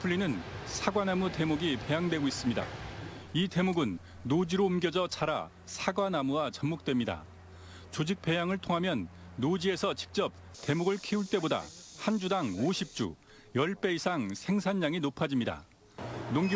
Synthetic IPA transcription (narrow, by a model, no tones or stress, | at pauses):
pʰuɭːinɯnsʰaɡwanamute̞muɡipe̞jaŋdwe̞ɡois͈ɯmɲida̰ite̞muɡɯnː | od͡ʑiɾoɯmɡʲjʌd͡ʑʌt͡ɕʰaɾa | sʰaɡwanamuwat͡ɕʌmmuk̚t͈wemɲida̰ | t͡ɕod͡ʑik̚p͈e̞jaŋɯɭtʰoŋɦamjʌnːod͡ʑie̞sʰʌt͡ɕi̥k̚t͡ɕ͈ʌp̚ | te̞muɡɯɭkʰiuɭt͈e̞boda̰hand͡ʑudaŋoɕʰip̚t͡ɕ͈ṵ | jʌɭp͈e̞isʰaŋsʰe̞ŋsʰanːaŋinopʰad͡ʑimɲida̰ | noŋɡ